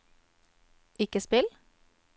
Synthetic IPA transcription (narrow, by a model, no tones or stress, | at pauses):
ɪkəspɪl